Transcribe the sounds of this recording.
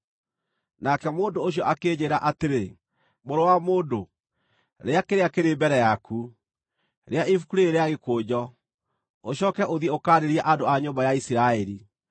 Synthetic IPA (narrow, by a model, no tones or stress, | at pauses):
nakɛmoːndooɕ̬jɔʔakeːd͡ʑeɾaʔateɾe | moɾowamoːndo | ɾeakeɾeakeɾeːbɛɾɛjakʰu | ɾeaifukuɾeːɾeaɣekoːd͡ʑɔ | oɕɔːkɛʔoðiɛokaːɾeɾiɛʔandoaɲoːmbajaisiɾaɛɾi